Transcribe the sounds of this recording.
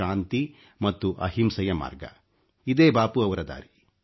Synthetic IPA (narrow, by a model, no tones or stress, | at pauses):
aːnt̪i | mɐt̪ːuʔɐɦimsɐjɐma̰ːɾɡɐ̰ | id̪eːbaːpuɐʋɐɾɐd̪a̰ːɾi